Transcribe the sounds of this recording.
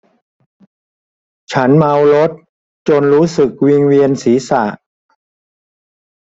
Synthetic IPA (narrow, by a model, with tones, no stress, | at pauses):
t͡ɕʰa˦˥nma˧wɾo˦˥t̪̚ | t͡ɕo˧nɾuː˦˥sɯ˨˩k̚wi˧ŋwi˧ənsiː˩˦sa̰˨˩ʔ